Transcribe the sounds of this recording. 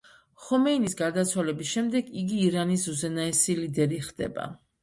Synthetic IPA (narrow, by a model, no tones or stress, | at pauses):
χɔmɛinisɡaɾd̪at̪sʰwalɛbisʃɛmd̪ɛɡiɡiːɾanisuzɛnaɛsilid̪ɛɾiχd̪̥ɛ̰ba̰